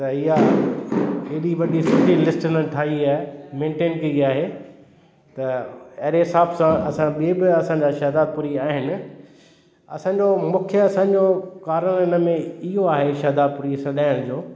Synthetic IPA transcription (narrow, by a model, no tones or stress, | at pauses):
t̪ɐɪɦa | ɪɗiʋɐɗisʊʈilɪsʈɪnəʈʰaːiaːmẽːɳʈeːnkɐiaːɦe | t̪ɐɐɦɾeɦɪsaːbsãɐsãɓiebɪɐsãːɲd͡ʑaʃɐɦd̪aːd̪̚pʊɾiaːɦɪnɪ̆ | ɐ̰sãːɲd͡ʑomʊ̃kʰjəɐsãːɲd͡ʑokaːɾəɽ̃ɪnə̆mẽɪɦoaːɦeʃɐɦd̪aːd̪̚pʊuːɾisɐɗaːɪɽ̃d͡ʑoː